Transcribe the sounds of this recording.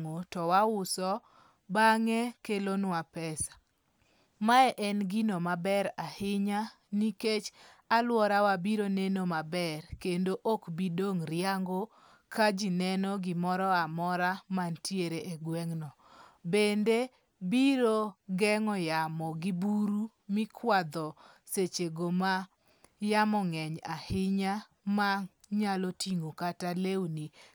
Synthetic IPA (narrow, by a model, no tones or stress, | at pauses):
ŋotɔwawʊsɔ | baŋɛkelonwapɛsḁ | maɛʔɛnɡinomabɛɾahɪɲa | niket͡ʃ | alwɔɾawabiɾonenomabɛrkendoʔokbidoŋɾjaŋɡo | kad͡ʒinɛnɔɡɪmɔɾɔamɔɾamantjeɾeʔeɡwɛŋnɔ | bende | biɾoɡɛŋɔjamɔɡɪbuɾu | mɪkʰwad̪ɔ | set͡ʃeɡoma | jamɔŋɛɲahɪɲa | maɲalɔtiŋokatalewni